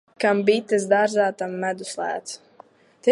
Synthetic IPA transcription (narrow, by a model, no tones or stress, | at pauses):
kambit̪ɨzd̪aɾzaːt̪amːæd̪uslæ̰ːt̪s | t̪ɛ